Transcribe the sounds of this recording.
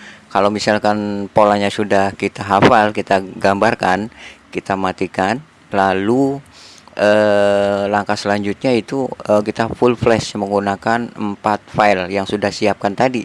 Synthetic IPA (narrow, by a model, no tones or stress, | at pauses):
kalawmisalkanpolaɲasudahkit̪aɦafalkit̪aɡambarkankit̪amat̪ikan | lalu | ʔə | laŋkasəlaɲd͡ʒut̪̚ɲait̪uəkit̪afulflɛsməŋɡunakanəmpat̪̚fajljaŋsudahsiap̚kant̪adi